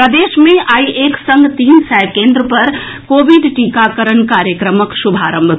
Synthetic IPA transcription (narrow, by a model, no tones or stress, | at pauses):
pɾəd̪eːʃmẽʔaːiʔeːksə̃ŋɡt̪iːnsɛjkẽːnd̪ɾəpɐɾ | koːʋiɖʈikakəɾənkaːɾjəkɾəməksubʱaːɾə̃mb̪ʱ